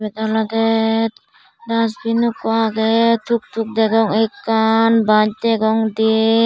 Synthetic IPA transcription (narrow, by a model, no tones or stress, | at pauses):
bɛd̪alad̪ɛ | dasbinukːɔaɡɛt̪ʰuk̚t̪ʰuk̚d̪ɛɡɔŋekːanbad͡ʒ̚d̪ɛɡɔŋd̪ie